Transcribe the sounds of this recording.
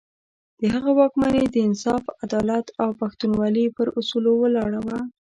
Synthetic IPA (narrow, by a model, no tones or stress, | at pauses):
d̪̥əɦaɣawɑkmaned̪əɪnsɑfad̪ɑlat̪awpaxt̪unwɑlipəɾusulowəlɑɽawa